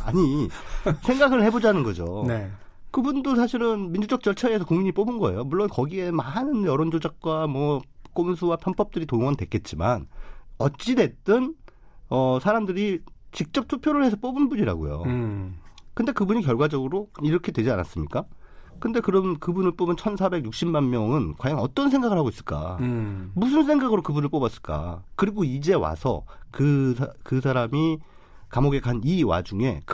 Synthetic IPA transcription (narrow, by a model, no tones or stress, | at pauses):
a̰ɲi | sʰe̞ŋɡaɡɯɭhe̞bod͡ʑanɯnɡʌd͡ʑo̰e | kɯbundosʰaɕʰiɾɯnmind͡ʑud͡ʑʌk̚t͡ɕ͈ʌɭt͡ɕʰaesʰʌkoŋmiɲip͈obɯnɡʌe̞̰jomuɭːonkʌɡie̞maɦanɯnjʌɾʌnd͡ʑod͡ʑak̚k͈wamwʌk͈omsʰuwapʰjʌnp͈ʰʌp̚t͈ɯɾitoŋʌntwe̞k͈e̞t̚t͡ɕ͈ima̰nʌt̚t͡ɕ͈ide̞t͈ɯn | ʌsʰaɾamdɯɾit͡ɕik̚t͡ɕ͈ʌp̚tʰupʰjoɾɯɭhe̞sʰʌp͈obɯnbuɲiɾa̰ɡo̰jo̰ | kɯnde̞kɯbuɲikjʌɭɡwad͡ʑʌɡɯɾoiɾʌkʰe̞dwed͡ʑia̰na̰s͈ɯmɲik͈a | kɯnde̞kɯɾʌnkɯbunɯɭp͈obɯnt͡ɕʰʌnsʰabe̞ɡjuk̚ɕ͈immanmjʌŋɯnkwajaŋʌt͈ʌnsʰe̞ŋɡaɡɯɭɦhaɡois͈ɯɭk͈a̰ | mus̬ʰɯns̬ʰe̞ŋɡaɡɯɾokɯbunɯɭp͈obas͈ɯ̥ɭk͈a̰kɯɾiɡoid͡ʑe̞wa̰sʰʌ̰kɯkɯsʰaɾami | kamoɡe̞kaniwa̰d͡ʑuŋe̞k